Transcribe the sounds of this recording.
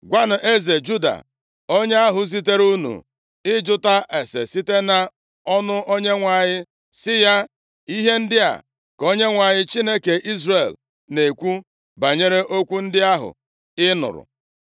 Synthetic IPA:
ɡʷa˦nʊ˨ʔe˦ze˨d͡ʒu˦da̰˨ | o˦ɲe˦a˦ɦʊ˨zi˦t̬e˦ɾu˦nṵ˨ | ɪ˦d͡ʒʊ˦ta˦ʔe˨sḛ˨si˦te˦na˨ | ɔ˦nʊ˦ʔo˦ɲe˦ŋʷa˨ɲɪ˦ | sɪ˦ja˦ | i˦ɦe˦n̩˦dɪ˦a̰˨ | ko˦ɲe˦ŋʷa˨ɲɪ˦t͡ʃi˦ne˦ke˨ʔi˦zre˨l | ne˨kʷu˦ | ba˨ɲe˦ɾe˦ʔo˦kʷu˦n̩˦dɪ˦a˦ɦʊ̰˨ | ɪ˦nʊ̰˨ɾʊ̰˨

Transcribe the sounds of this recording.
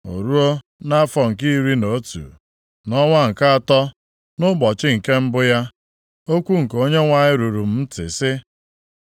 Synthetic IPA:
o̰˨ɾu˦o˦ | na˦a˦fɔ˨ŋ̩˨ki˦ɾi˦no˨˦tṵ˨ | nɔ˦ŋʷa˦ŋ̩˨ka˦a˨tɔ˦ | nʊ˦bɔ˨t͡ʃɪ˦ŋ̩˨ke˦m̩˦bʊ˦ja˦ | o˦kʷu˦ŋ̩˨ko˦ɲe˦ŋʷa˨ɲɪ˦ɾu˨ɾu˨m̩˦m̩˦tɪ̰˨sɪ˦

